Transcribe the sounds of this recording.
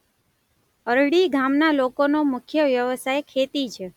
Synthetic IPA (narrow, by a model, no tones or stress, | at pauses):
əɾɽiɡʱamnalokonomʊkʰjəʋjəʋəsajkʰet̪it͡ʃʰe